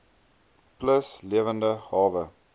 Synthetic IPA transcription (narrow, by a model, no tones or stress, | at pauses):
pləsliəvəndəhɑːvə